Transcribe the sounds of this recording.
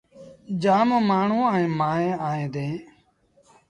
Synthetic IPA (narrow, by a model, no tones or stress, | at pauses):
d͡ʒaːmõːmaːɳ̤ũːaːẽːmaːẽːaːẽːd̪ẽː